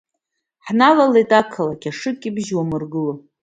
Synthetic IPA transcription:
ħnalalejtʼakʰalakʲaʂɨkʲʼibʒwamɨrɡɨlo

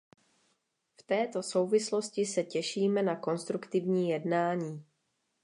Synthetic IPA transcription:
ft̪ɛːt̪o̞so̞wvɪslo̞scɪsɛcɛʃiːmɛnako̞nst̪ɾukt̪ɪvɲiːjɛdnaːɲiː

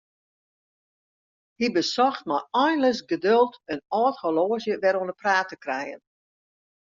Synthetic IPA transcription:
hibəsɔxt̚majɔjnləsɡədølˠtənɔːtholoːzjəʋɛɾonəpraːtəkrɛjə̰n

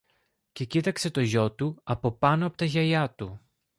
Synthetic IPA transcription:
ce̞cit̪ɐkse̞t̪o̞ʝo̞t̪uɐpo̞pɐnoɐpo̞t̪ɐʝɐʎɐt̪u

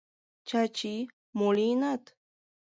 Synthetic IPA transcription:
t͡ʃat͡ʃi | molinat̪

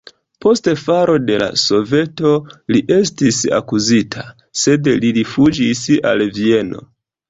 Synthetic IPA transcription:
po̞stefaɾo̞de̞la̰so̞ve̞to̞liʔe̞stisa̰kuzitʰa | se̞dliɾifud͡ʒisa̰lvie̞no̞̰

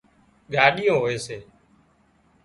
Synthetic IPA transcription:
ɠʱaːɗɪjõːɦoːeːseː

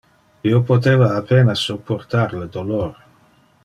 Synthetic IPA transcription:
iopot̪̬eːvaːpeːnasːopʰːort̪arled̪oloːɾe

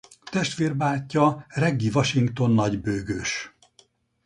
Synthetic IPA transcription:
t̪ɛʃt̪ʋeːrbaːcːɒrɛɡːivɒʃiŋkt̪o̞nːɒɟbøːɡøːʃ

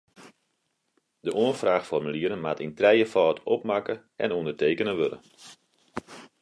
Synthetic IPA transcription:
dəʔoənfraːxfɔrmyliəɾənmatintrɛjəfɔːtɔp̚makə | ɛ̰nundərteːkənəʋølə̰

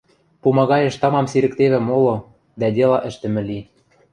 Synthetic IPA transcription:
pumɑɣɑjĕʃt̪ɤ̆mɑmsiɾɘ̆k̚t̪eβɘ̆molŏ | d̪ædʲelɑʔɘ̆ʃt̪ɘ̆mɘ̆li

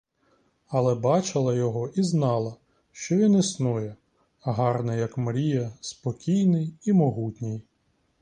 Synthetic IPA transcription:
ɐlˠɛbɑt͡ʃɪlˠɐjɔɦɔʔiznɑlˠɐ | ʃt͡ʃɔʋʲinisnujɛ | ɦɑrnɛjɐkmɐɾʲijɐspɔkʲijnɪjimɔɦutʲnʲij

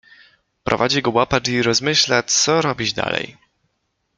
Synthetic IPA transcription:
pɾʔɔ̰vad͡ʑiɡɔwapaʈ͡ʂiɾɔzmɘɕlasɔɾɔbʲid͡ʑd̪a̰lɛ̰j

